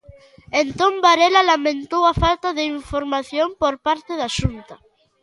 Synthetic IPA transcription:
ent̪õmbaɾelalamẽnt̪owafalt̪aðeiɱfoɾmaθjõmpoɾpaɾt̪eðaʃunt̪ɐ

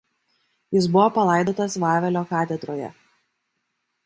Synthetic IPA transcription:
jɪsbʊʋopɐlˠɐɪd̪oːt̪ɐsʋɑːʋʲɛlʲoːkɑːt̪ʲɛd̪ɾoːjɛ̰

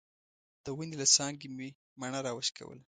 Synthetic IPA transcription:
d̪̥əwənilasɑŋɡimi | maɳaɾɑwəʃka̰wə̰la

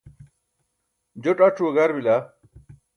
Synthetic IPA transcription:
d͡ʑoʈɐʈ͡ʂʰuɡɐɾbila

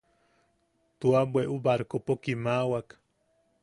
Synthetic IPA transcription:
t̪uabweʔubaɾkopokimaːwak

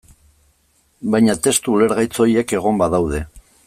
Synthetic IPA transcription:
bajɲat̪e̞st̪uːle̞ɾɣajt͡so̞ieke̞ɣ̞o̞mbaðawð̞e̞

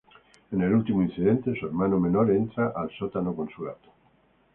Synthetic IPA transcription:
enelult̪imuĩn̟θiðent̪esueɾmanomenoɾent̪ɾaʔalsot̪anokonsulat̪o̥

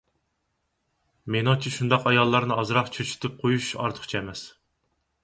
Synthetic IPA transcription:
menɑŋt͡ʃʰiʃund̪ɑqɑjɑlˠːɑɾnɨɑzɾɑqt͡ʃʰøt͡ʃʰy̥t̪ʰɪp̚qʰojuʃɑ̰ɾt̪ʰə̥χt͡ʃʰɛmɛs

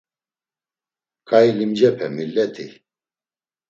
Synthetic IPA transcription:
kʼailimd͡ʒɛpʰɛ̰milːɛt̪ʰḭ

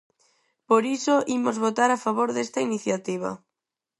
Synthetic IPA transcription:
poɾisoʔimozβot̪aɾafaβoɾðest̪ainiθjat̪iβɐ̰

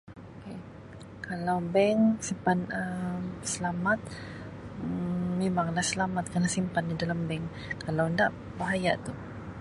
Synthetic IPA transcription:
oke | kʰalawbɛŋsimpanəsəlamat̪̚ | emaŋlahsəlamat̪̚kanasimpandidalambɛŋ | kalawəndaʔ | baɦaja̰ʔt̪u

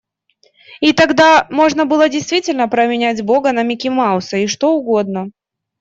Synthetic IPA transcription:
it̪ɐɡd̪amo̞ʐnəbɨlˠədʲɪjst̪vʲitʲɪlʲnəpɾəmʲɪnʲætʲbo̞ɡənəmʲɪkʲɪmaʊsəiʂt̪o̞ʊɡo̞d̪̚nə

